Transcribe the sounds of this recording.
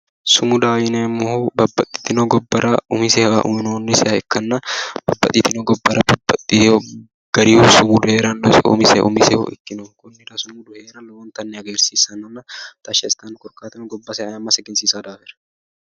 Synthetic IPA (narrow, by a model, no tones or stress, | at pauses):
sʊmʊd̪aːjɪnemːʊhubɐbːɐt̪ʼːɪ̥t̪ːɪnoɡɔbːɐɾɐʊmɪsɛhɐ̰ʔʊ̰mɪnoːnːɪsɛɐɛkːɐnːɐb̥ɐbːɐ̰t̪ʼːit̪ːɪnoːɡɔbːɐɾɐbɐbːɐt̪ʼːio | ɡ̥ɐɾihusʊmʊd̪ʊheːɾɐnɔʊ̰mɪsɛ̰ʔʊ̰mɪsɛho̰ʔɪ̰kːɪnokʊnːɪɾɐsʊmʊd̪ʊheːɾɐlɔwɔnt̪ɐnːɛɐɡeːɾsiːsɐnːɐnːɐt̪ɐʃɐɪst̪ɐnkʼɔɾkaːt̪ɐnʊɡɔbːɐsɛɐɐmːɐsɛɡɛnsiːsaːd̪aːfɛɾɐ̥